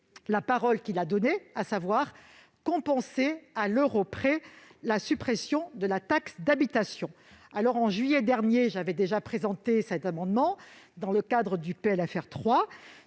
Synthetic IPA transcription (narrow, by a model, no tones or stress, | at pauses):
lapaʁɔlkʲilad̪ɔneasavwaʁ | kɔ̃pɑ̃sealøʁopχelasypχesjɔ̃d̪əlat̪aksd̪abit̪asjɔ̃ | alɔʁɑ̃ʒɥijɛd̪ɛʁnjeʒavɛd̪eʒapχezɑ̃t̪esɛt̪amɑ̃d̪mɑ̃d̪ɑ̃ləkad̪ʁəd̪ypeɛlafɛʁt̪χwa